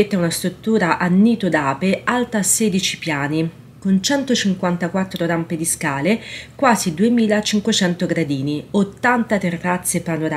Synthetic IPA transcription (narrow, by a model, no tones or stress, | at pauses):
et̪ːaunast̪ɾut̪ːuːɾaʔanːiːt̪od̪aːpealt̪aːsːed̪it͡ʃi̥pjaːni | kont͡ʃɛnt̪ot͡ʃiŋkwant̪akwat̪ːɾoɾamped̪iskaːlekwaːzid̪uemiːlat͡ʃiŋkwet͡ʃɛnt̪oɡɾad̪iːniot̪ːant̪at̪erːat̪sːepanoɾa